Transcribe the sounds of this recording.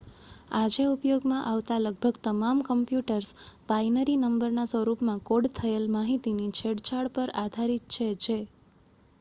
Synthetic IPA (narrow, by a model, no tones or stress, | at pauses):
ad͡ʒeupjoɡmãʔaʋt̪aləɡ̚bʱəɡt̪əmamkəmpjuʈəɾsbainəɾinəmbəɾnasʋəɾupmãkoɽt̪ʰəelmaɦit̪init͡ʃʰeɽt͡ʃaɭpəɾad̪ʱaɾit̪̚t͡ʃʰed͡ʒe